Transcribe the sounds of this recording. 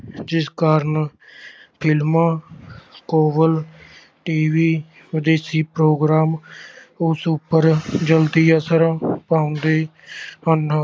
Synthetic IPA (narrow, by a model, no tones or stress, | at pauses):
d͡ʒɪskaːɾən | pʰɪlmãːkoːbəl | ʈiːʋiː | ʋɪd̪eːsiːpɾoːɡɾaːm | ʊsʊpːəɾd͡ʒəlt̪iːəsəɾapaːʊ̃nd̪eː | ɦənː